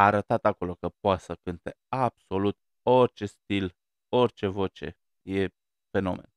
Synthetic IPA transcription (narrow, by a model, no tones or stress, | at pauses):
aːɾət̪at̪ako̞lo̞kəpoat̪səkɨnt̪e̞ab̥so̞lut̪̚ | o̞rʲt͡ʃe̞st̪il | o̞rt͡ʃe̞vo̞t͡ʃe̞̰ | je̞ | fe̞no̞̰me̞̰n